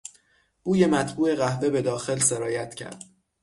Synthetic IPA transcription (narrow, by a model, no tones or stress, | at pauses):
b̥uːje̞mæt̪ʰbuːʔe̞ɣæhve̞be̞d̪ɒːxe̞lse̞ɾɒːjæt̪ʰcʰæ̰ɾd̪̥